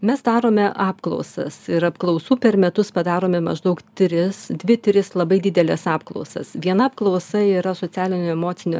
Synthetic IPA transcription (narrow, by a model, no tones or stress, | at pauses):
mʲɛsd̪ɑːɾoːmʲɛʔɑːpklˠɔ̰ʊsɐ̰sɪɾɐpklˠɒʊsuːpʲɛɾmʲɛt̪ʊspɐd̪ɑːɾoːmʲɛmɐ̰ʒd̪ɐʊkt̪ʲɾʲɪsd̪ʲʋʲɪt̪ʲɾʲɪslˠɐbɐɪd̪ʲɪd̪ʲɛlʲɛsɑːpklˠɔ̰ʊsɐ̰sʋʲiɛnɐɐpklˠɐʊsɐiːɾɐsoːsʲæːlʲɪnʲoːɛmoːsʲɪnʲo̰ː